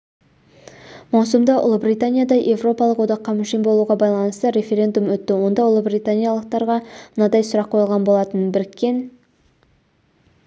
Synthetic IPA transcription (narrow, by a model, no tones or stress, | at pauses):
mɑwsʊmd̪ɑʔʊ̰lˠəbɾijt̪anʲijad̪ɑʔe̞vro̞pɑlˠəqwo̞d̪ɑqːɑmʏʃijmbo̞lˠuʁɑbɑjlˠɑnəst̪əɾʲe̞fʲe̞ɾʲe̞nd̪umwɵt̪ːɪwo̞nd̪ɑʊlˠəbrit̪anʲijalˠəq̚t̪ɑɾʁɑmənɑd̪ɑjsʊɾɑqʰːo̞jlˠʁɑnbo̞lˠɑt̪ənbɪɾɪkʲʰːe̞n